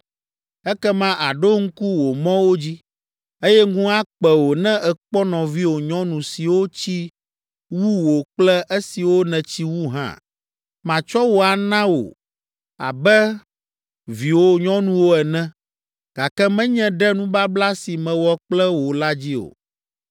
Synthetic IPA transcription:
ɛ˦kɛ˦mã˦ʔa˨ɖo˦ŋ̩˦ku˦wo˨mɔ̃˦wo˦d͡ʑi˦ | e˦jɛ˦ɡũ˦a˦k͡pɛ˨wo˨nɛ̃˦ʔɛ˨k͡pɔ˦nɔ̃˨vi˦wo˨ɲɔ̃˦nũ˨si˨wo˦t͡ɕi˦ | wu˦wo˨k͡plɛ˦ʔe˦si˨wo˦nɛ̃˨t͡ɕi˦wu˦ɦã̰˦ | mã˨t͡ʃɔ˦wo˨a˨nã˦wo̰˨ | a̰˨bɛ˦ | vi˨wo˦ɲɔ̃˦nũ˦wo˦ɛ˨nɛ̃˦ | ɡ̥a˨kɛ˦mɛ̃˦ɲɛ̃˦ɖɛ˦nũ˦ba˦bla˦si˨mɛ̃˨wɔ˦k͡plɛ˦wo˨la˦d͡ʑi˦o̰˨

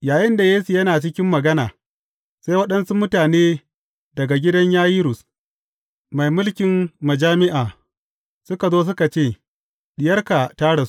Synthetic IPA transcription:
jaː˨jɪ˦nda˨jeː˦su˨jɐ˦naː˨t͡ʃɪ˦kʲɪ˦mːɐ˨ɡɐ˦naː˨ | sa˦jwɐ˦ɗɐ˦nsu˦mʊ˦taː˨neː˦ | dɐ˨ɡa˨ɡʲɪ˦dɐ˦ɲjaː˦jiː˦ɾʊ˨s | ma˨jmʊ˦lkʲɪ˨mmɐ˨d͡ʒaː˦mɪ˦ʔaː˨ | sʊ˦ka˨zoː˦s̬ʊ˦ka˨t͡ʃeː˦˨ | ɗɪ˨jɐ˦rka˨taː˦ɽa˨s

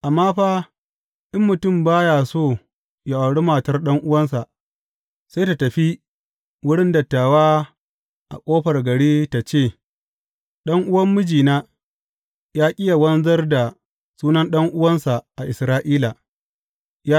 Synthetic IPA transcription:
ʔa˨mːaː˦ɸaː˦ | ʔɪ˦mːʊ˨tʊ˦˨mbaː˦jaː˨soː˦˨ | ja˨ʔa˨ɽɪ˦maː˨tɐ˦rɗɐ˦ŋʔʊ˦wɐ˦ns̬a˨ʔ | sa˦jta˨tɐ˨ɸi˦ | wʊ˦ɽɪ˦ndɐ˨tːaː˨waː˦ | ʔa̰˨kʷʼoː˦ɸɐ˨rɡɐ˨ɽiː˦ta˨t͡ʃeː˦˨ | ɗɐ˦ŋʔʊ˦wɐ˦mːʊ˦d͡ʒiː˨naː˦ | jaː˦kʲʼɪ˦ja˨wɐ˦nzɐ˦rda˨ | suː˦nɐ˦nɗɐ˦ŋʔʊ˦wɐ˦nsa˨ʔa˨ʔɪ˨sɾaː˦ʔiː˦la˨ | ja˦

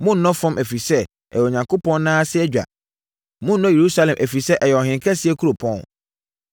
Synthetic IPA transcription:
mʊ̃˦nː˦ɔ̃˦fɔ̃˦mʔæ˨fi˨sɛ˦ | ɛ̰˨ɛ˨ɲã˨ŋkʰo˦pɔ̃˦nnãː˦sɪ˦ɛ˦d͡ʑᶣa̰˨ | mʊ̃˦n̩ː˦ɔ̃˦je˨ɾu˦sa˦lɛ̃˨mʔæ˨fi˨sɛ˦ʔɛ˨jɛ˨ɔ˨ɦɪ̃˨ŋ˨kʰɛ˦sɪ˨˦ɛ˦kʰu˦ɾo˨pʰɔ̃˦n

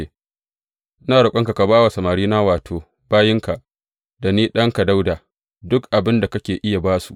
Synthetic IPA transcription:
naː˨ɽʊ˨kʷʼɐ˦ŋka˨ka˨baː˦wa˨sɐ˨maː˨ɾiː˦naː˦waː˨tʰoː˨ | baː˦jɪ˦ŋka˨ | da˨niː˦ɗɐ˦ŋka˨da˦wdaː˨ | dʊ˦kʔa˨bɪ˦nda˨kɐ˦kʲeː˨ʔɪ˦ja˨baː˦sṵ˨ʔ

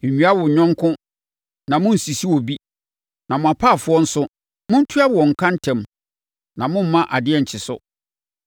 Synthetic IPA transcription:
ɲɥa˦wʊ˨ɲᶣɔ̃˦ŋkʰʊ̃˦ | nã˨mʊ̃˦n̩˨si˨si˦wɔ˨bi˦ | nã˨mʊ̃˨a˨pʰaː˦˨fʊ˦ɔ˦n̩˦sʊ˦ | mʊ̃˦n̩˦tʰu˦a˦wɔ̃˨ŋ̩˨kʰã˦n̩˦tʰɛ̃˨m | nã˨mʊ̃˦m̩˦mã˦ʔa˨dɪ˦ɛ˦˨ɲ̩˨t͡ɕʰɪ˨sʊ˦

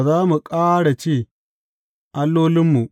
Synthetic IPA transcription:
zaː˦mu˨kʼaː˦ɽa˨t͡ʃeː˦˨ | ʔa˦lːoː˦lɪ˦mːu˨ʔ

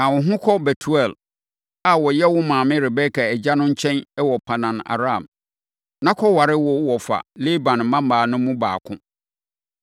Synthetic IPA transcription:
ã˨wʊ̃˨ɦʊ̃˦kʰɔ˦bɛ˨tʰu˨ɛ˦˨l | a˨wɔ˨jɛ˦wʊ˦mãː˨mɪ̃˦ɾɪ˨bɛ˦kʰa˨ɛ˨d͡ʑa˦nʊ̃˦ɲ̩˦t͡ɕʰɛ̃˦nɛ˦wɔ˨pʰa˨nã˨na̰˨ɾã˦˨m | nã˦kʰɔ˦wa˨ɾɪ˦wɔ˦wɔ˨fa̰˨le˦bã˨n̩˨mã˦m˦aː˨nʊ̃˦mũ˦ba̰ː˨kʰʊ̃˦

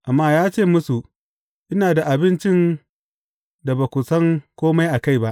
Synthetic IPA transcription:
ʔa˨mːaː˦jaː˦t͡ʃeː˦˨mʊ˦su˨ | ʔɪ˦naː˨da˨ʔa˨bɪ˦nt͡ʃɪ˦n | da˨ba˨kʷʊ˨sɐ˦ŋkʷoː˦ma˦jʔa˨ka˦˨jba˦ʔ

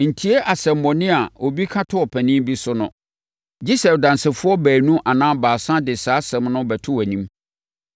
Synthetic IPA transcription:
n̩˨tʰi˨˦e˦ʔa˨sɛ˨mːɔ̃˨nɪ̃˦a˨o˨bi˦kʰã˦tʰʊ˦ɔ˨pʰæ˨nɪ̃˦m˦bi˦sʊ˦nʊ̃˦ | d͡ʑi˦sɛ˨dã˨nsɪ˨fʊ˦ɔ˦bæː˨nũ˦ʔa˨nãː˦baː˨sã˦dɪ˨saː˨˦sɛ̃˨mnʊ̃˦bæ˨tʰʊ˦wæ˨nĩ˦m

